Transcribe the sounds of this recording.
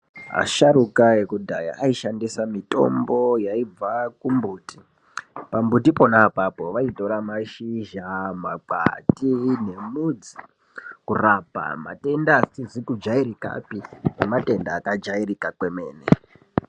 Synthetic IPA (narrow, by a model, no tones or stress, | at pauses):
ɦa̰ʃaɾukaekudʱaja̰ʔaiʃandisamito̞̰mbo̞jaib͡vakumbuːti | pambut̬ipo̞napapo̞ʋaito̞ɾamaʃiʒamaǃa̰tine̞mud͡zi̥ | kurapa̰ma̰te̞ndasit͡ʃizikud͡ʒaiɾika̰pinemate̞ndaːkad͡ʒairikakwe̞me̞ːnḛ